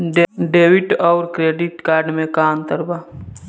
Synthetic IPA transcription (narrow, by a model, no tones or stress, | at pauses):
ɖɖeːwɪʈɔːɾkɾeːɖiʈkaːɾɖmẽkaːnt̪əɾbaː